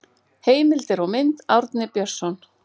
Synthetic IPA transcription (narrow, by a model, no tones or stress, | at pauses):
heːjmɪlt̪ɪɾɔmɪnt̪awɾt̪nɪpjœr̥sɔn